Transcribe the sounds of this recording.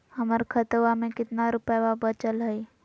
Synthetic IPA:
hɐməɾkʰət̪ʋamẽkɪt̪naɾʊpəwabət͡ʃəlɦɛi

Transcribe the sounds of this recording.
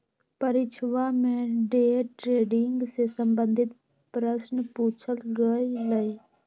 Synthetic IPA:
pəɾɪt͡ʃʰʋamẽɖeːʈɾeːɖɪŋɡsesəmbənd̪ʱɪt̪ | pɾəsnəpuːt͡ʃʰəlɡəiləi

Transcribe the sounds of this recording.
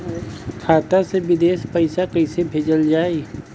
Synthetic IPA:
kʰaːt̪asebɪd̪eːspɐɪsakɐɪsebʱeːd͡ʒəld͡ʒaːe

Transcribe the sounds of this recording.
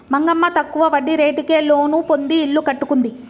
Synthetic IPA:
mɐŋɡɐmːɐt̪ɐkːuʋɐʋɐɖːiɾe̞ːʈike̞ːlo̞ːnupond̪iːɭːukɐʈːukund̪i

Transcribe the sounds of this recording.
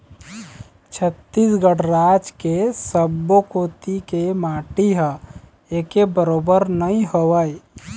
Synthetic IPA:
t͡ʃʰət̪ːiːsɡəɽɾaːd͡ʒkesəbːokoːt̪ikemaːʈiɦa | eːkebəɾoːbəɾnəĩɦoʋəi

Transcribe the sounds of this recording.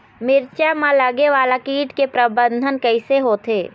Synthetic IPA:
mɪɾt͡ʃamãlɐɡeʋaːlakiːʈkepɾɐbə̃nd̪ʱənkɐɪseɦoːt̪ʰeː

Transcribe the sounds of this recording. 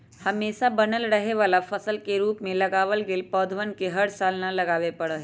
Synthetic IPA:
hɐmeːʃabɐnəlɾɐɦeʋaːlafɐsəlkeɾuːpmẽlɐɡaːʋəlɡɪlpɔːd̪ʱʋənkeɦɐɽsaːlnalɐɡaːʋepɐɽəɦɛ

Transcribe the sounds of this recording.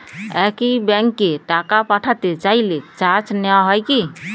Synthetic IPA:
ɛkibɛ̃ŋkːeʈakapaʈʰat̪et͡ʃailet͡ʃaɾt͡ʃneaɦɔjki

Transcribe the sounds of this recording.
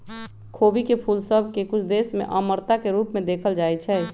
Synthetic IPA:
kʰoːbikepʰuːlsəbʱkekʊt͡ʃʰd̪esmḛ̃ʔəməɾt̪akeɾuːpmẽd̪eːkʰəld͡ʒaːɛt͡ʃʰɛ

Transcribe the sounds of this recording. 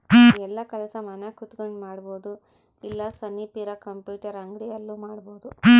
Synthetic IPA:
ɛlːɐkɐlɐsɐmɐnekut̪ɡoɳɖmaːɽboːd̪u | ilːɐsɐnːipiɾɐkɐmpjuːʈɐɾɐŋɡɽijɐlːuːmaːɽboːd̪u

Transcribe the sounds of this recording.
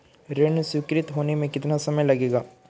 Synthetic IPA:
ɾeɳsɪkɾɪt̪ɦoːnemẽkɪt̪nasɐməjlɐɡeːɡaː

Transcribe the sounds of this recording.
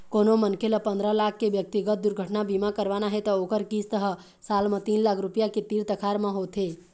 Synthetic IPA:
koːnomənkeləpə̃nd̪ɾəlakʰːebjək̚t̪iɡət̪̚d̪uɾɡʱəʈnabimakəɾʋanaɦet̪ɔoːkəɾkist̪əɦə | saːlmə̃t̪iːnlaːkʰɾupijaket̪iːɾt̪əkʰaɾmãɦot̪ɦe

